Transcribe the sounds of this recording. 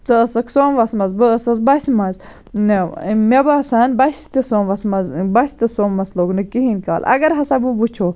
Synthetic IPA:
t͡sɐsɐksoːnʋɐsmɐzbɨsɐzbɐsʲmɐz | mebasɐnbɐsʲt̪isoːmʋɐsmɐzbɐsʲt̪ɨsoːmːɐsloɡnɨkiɦinʲka̰ːlʔɐ̰ɡɐɾɦɐsɐbubut͡ʃʰoː

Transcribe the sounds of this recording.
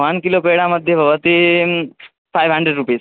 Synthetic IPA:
ʋənkilopeɽãməd̪ʱːjebʱəʋət̪i | fajʋɦəɳɖɾeɖɾupes

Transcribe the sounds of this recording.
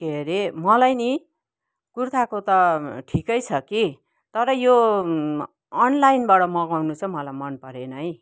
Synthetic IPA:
keɾemʌlajni | kurt̪ʰakot̪ʌʈʰikʌjt͡sʰʌki | t̪ʌɾʌjo | nlajinbaɽʌmʌɡawnut͡sʰʌmʌlajmʌnpʌɾenʌj

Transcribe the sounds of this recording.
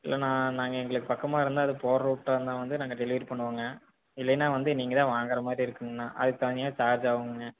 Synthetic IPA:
ɪ̰lːɐnãːnaːŋɡɐɛŋɡɐɭɯkːɯpɐkːɐmaːɪɾɯnd̪aːɐðɯpoːɾɾuːʈːɐːɯnd̪ãːʋɐnd̪ɯnaːŋɡɐɖɛlɪʋɐɾpɐɳːɯʋaːŋɡɐ | ɪlːɐnːaːʋɐnd̪ɯniːŋɡɐt̪ãːʋaːŋɡɐɾɐmaːd̪ɾiɪɾɯkːɯmɯnːaːʔɐ̰ðɯt̪ɐɲɐjaːt͡ʃaːɾd͡ʒaːʋɯŋɡɯŋɡɐ

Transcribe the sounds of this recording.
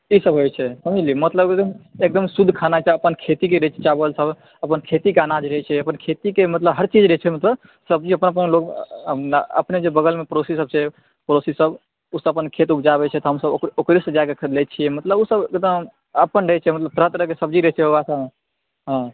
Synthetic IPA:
isəbɦojt͡ʃʰɛsəmilimət̪ləbkeəmek̚d̪əmsud̪ʱkʰanat͡ʃaəpənkʰet̪ik̬eɾət͡ʃʰɛ̥t͡ʃabəlsəb | əpənkʰet̪ikeanad͡ʒɾəɦɛt͡ʃʰɛəpənkʰet̪ikemət̪ləbɦəɾt͡ʃid͡ʒɾəɦt͡ʃʰɛmət̪ləb | səbd͡ʒiəpənəpənloɡnə̰pned͡ʒebəɡəlmepɾosisəb̚t͡ʃʰɛ | pɾosisəb | usəbəpənkʰet̪upd͡ʒaβɛt͡ʃʰɛt̪ɔɦəmsəbokɾisd͡ʒakekʰlɛt͡ʃʰiɛmət̪ləbusəbekd̪əm | əpənɾəɦɛt͡ʃʰɛmət̪ləb̚t̪ɾət̪ɾəɦkesəbd͡ʒiɾəɦɛt͡ʃʰɛɦoɡasa | ɦã

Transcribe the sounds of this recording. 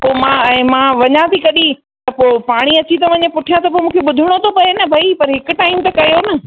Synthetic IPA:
poːmãɛ̃ːmãːʋɐɲãt̪ʰikɐɗi | t̪ɐpoːpaːɽ̃iɐt͡ɕit̪ɐʋɐɲẽpʊʈʰijãt̪ɐpoːmũːkʰeɓʊd̪ʱiɽ̃ot̪ʰopɐenɐbʱɐipɐɾɦɪkʊʈaːɪmt̪ɐkɐjonɐ

